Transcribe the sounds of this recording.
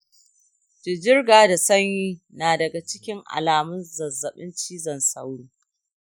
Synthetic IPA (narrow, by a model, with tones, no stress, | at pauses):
d͡ʒɪ˨d͡ʒɪ˦rɡaː˨da˨sɐ˦ɲjiː˦naː˨dɐ˨ɡa˨t͡ʃɪ˦kʲɪ˦ŋʔa̰˨laː˨mʊ˦nzɐ˨zːɐ˨ɓɪ˦nt͡ʃiː˦zɐ˨nsa̰˦wɽiː˦